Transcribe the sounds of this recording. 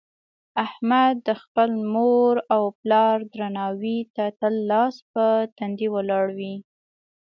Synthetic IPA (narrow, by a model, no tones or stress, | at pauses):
ahmad̪ːəxpəlmoɾawplɑɾd̪ɾanɑwit̪at̪əlːɑspət̪and̪iwəlɑɽwi